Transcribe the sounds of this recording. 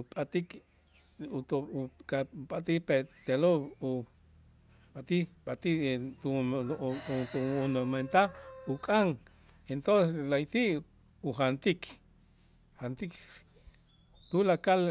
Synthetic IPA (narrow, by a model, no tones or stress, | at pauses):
upʼat̪ik | ut̪okapʼat̪ipet̪elou | ɓat̪iɓat̪it̪u | t̪uunoment̪abukʼaŋ | ent̪onseslajt̪iʔ | uχant̪ik | hant̪ik | t̪ulakal